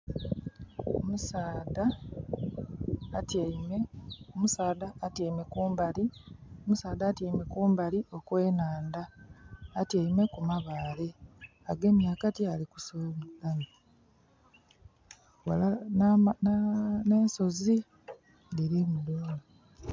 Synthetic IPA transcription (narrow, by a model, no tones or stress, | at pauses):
o̰musaːda | tmeomusaːdaːteːmekuːmbaliomusaːd̪aːtiːmekuːmbaliʔo̞kwe̞ːnaːndaː | tjeime̞kumaβaːle̞ | aɡe̞ːmjaːkatealiku̥soβulani | walannneːnso̞zi | niɾimuloːndo